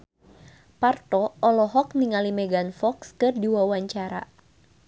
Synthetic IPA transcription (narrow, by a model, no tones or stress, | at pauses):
part̪ɔɔlɔɦɔk̚niŋalimɛɡanfɔkskɨrdiwawaɲt͡ʃaɾa̰